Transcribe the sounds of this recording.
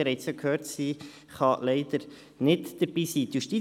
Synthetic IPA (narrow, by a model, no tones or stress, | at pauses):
ɛɾɛɪsjokʰhøːɾtsiː | χɑlɛɪd̪̥əɾ | nɪtd̥əɾb̥iːsiːt̪juʃti